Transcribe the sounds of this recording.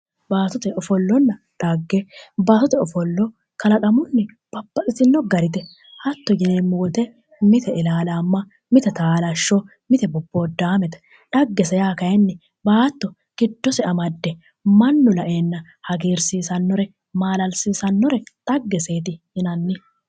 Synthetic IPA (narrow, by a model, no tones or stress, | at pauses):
baːt̪ʊt̪ɛʔɔfɔlːɔnːɐ | ᶑ̪̥aɡːɛbaːt̪ʊt̪ɛɔfɔlːɔ | kɐlɐkʼɐmʊnːɛ | b̥ɐbːɐkʼɪt̪ɪnːɔɡɐɾɪt̪ɛ | hɐt̪ːɔɡɪnemːuːt̪ɛ | mɪt̪ɛɪlaːlaːmːɐ | mɪt̪ɛt̪aːlɐʃːɔ | mɪt̪ɛbɔbːoːd̪aːmɛt̪ | ᶑɐɡːɛsɛjaːkɐjɛnːɛ | baːt̪ːɔ | ɡ̥ɪd̪ːɔsɛɐmɐd̪ːɛ | mɐnːʊlɐʔeːnːɐ | hɐɡeːɾsiːsɐnːɔɾɛ | maːlɐlsiːsɐnːɔɾɛᶑɐɡːɛse̞ːt̪ɪ | ɪnɐnːɪ